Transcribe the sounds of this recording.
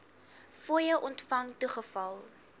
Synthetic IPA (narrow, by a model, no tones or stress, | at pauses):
fujəʔɔntfɐŋtuχəfɐlˠ